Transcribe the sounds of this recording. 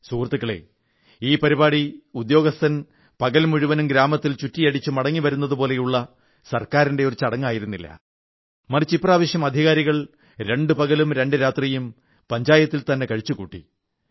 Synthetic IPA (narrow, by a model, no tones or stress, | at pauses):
suːrt̪ːukːɐɭḛ | iːpɐɾibaːɽiud̪jo̞ːɡɐst̪ʰɐn | pɐɣɐlmuɻuʋɐnumɡɾaːmɐt̪ːilt͡ɕutːijɐɽit͡ɕːumɐɽɐŋːiʋɐɾunːɐðupo̞ːle̞juɭːɐ | sɐrkaːɾinde̞o̞ɾut͡ɕɐɽɐŋːaːjiɾunːilːɐ̰ | mɐrit͡ɕːipːraːʋɐɕjɐmɐd̪ʱiɣaːɾiɣɐɭ | ɾe̞ɳɖɨpɐɣɐlumɾe̞ɳɖɨɾaːt̪rijum | pɐɲd͡ʑaːjɐt̪ːilt̪ɐnːe̞kɐɻit͡ɕːukuːʈːḭ